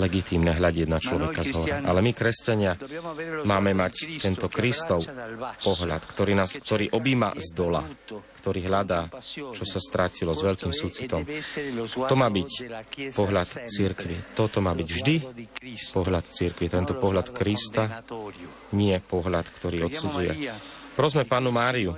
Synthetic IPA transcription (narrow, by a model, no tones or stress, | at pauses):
lɛɡit̪iːmnɛɦʎaɟɪɛd̪̚nat͡ʃlɔʋɛkazɦɔɾɛʔa̰lɛmikɾɛscaɲɪa | maːmɛmact̪ɛnt̪ɔkɾist̪ɔʊpɔɦla̰t̪kt̪ɔɾiːnaːskt̪ɔɾiːʔɔbiːma̰zd̪ɔla̰kt̪ɔɾiːɦʎad̪aːt͡ʃɔsast̪ɾacilɔzʋɛʎkiːmsuːt͡si̥t̪ɔm | t̪ɔmaːbictpɔɦlat̪t͡siɾkʋit̪ɔt̪ɔmaːbiɟvʒd̪i | pɔɦlat̪t͡siɾkʋit̪ɛnt̪ɔpɔɦlat̪kɾist̪a | ɲɪɛpɔɦlat̪kt̪ɔɾiːɔt̪sud͡zujɛ̰ | pɾɔzmɛpaːnumaːɾiu